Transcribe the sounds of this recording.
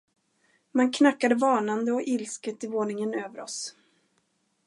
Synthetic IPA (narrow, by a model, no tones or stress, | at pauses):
mankʰnakːad̪əvɑːnand̪əɔʔɪlskət̪ɪvoːɳɪŋənøːvəɾɔ̰s